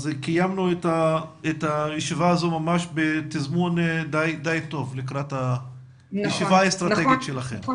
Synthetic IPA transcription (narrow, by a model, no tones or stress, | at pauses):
zkijamnuet̪aet̪ajeʃivaazo̞mamaʃbet̪izmund̪ajd̪ajt̪o̞vlikʁat̪ha | jeʃivaaest̪ɾʁat̪eɡit̪ʃelaχḛm